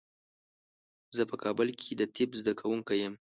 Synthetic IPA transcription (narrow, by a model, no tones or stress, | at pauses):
zəpəkʰɑbʊlkʰed̪ət̪ʰɪbzd̪akʰawuŋkajəm